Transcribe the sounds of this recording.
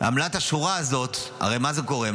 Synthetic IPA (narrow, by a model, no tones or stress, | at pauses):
a̰mlat̪aʃuʁaːzo̞t̪a̰ʁejmazeko̞ʁe